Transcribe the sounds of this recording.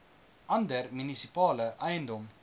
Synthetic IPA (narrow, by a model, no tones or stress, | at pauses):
ʔɐndərminisipɑːləʔɐjəndɔm